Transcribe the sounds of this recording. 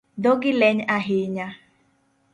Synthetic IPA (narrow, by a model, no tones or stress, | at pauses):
dɔɡɪleɲaɦɪɲa